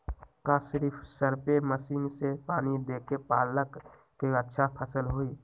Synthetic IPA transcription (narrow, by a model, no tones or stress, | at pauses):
kasɾipʰsəɾpeməsiːnsepaːnid̪ekepaːləkː | eətːʃʰapʰəsəlɦoi